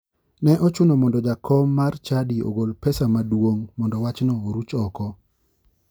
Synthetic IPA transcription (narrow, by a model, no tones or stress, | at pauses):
nɛʔɔt͡ʃʊnɔmɔndɔd͡ʒakʰɔmːart͡ʃadio̰ɡolpɛsamadwoŋmɔndɔwat͡ʃnɔoɾut͡ʃɔkɔ